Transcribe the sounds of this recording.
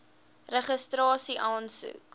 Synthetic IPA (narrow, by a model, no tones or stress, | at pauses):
rəχəstrɑːsiʔɑːnsṵk